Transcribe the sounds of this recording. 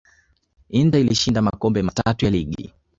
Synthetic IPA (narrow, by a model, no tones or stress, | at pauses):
indailiʃindamakɔmbɛmatatujaliɠḭ